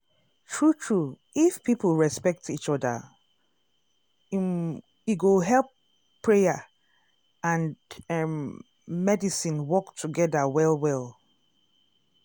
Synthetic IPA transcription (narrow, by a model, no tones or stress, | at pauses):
tʰɹutʰɹu | ifpʰipʰl̩ˠɹɛspɛk̚tit͡ʃɔdə̰ | iɡoɦɛlˠpʰː | ɹeja | ãn | mɛdisĩnwɔktʰuɡɛdəwɛlˠwɛlˠ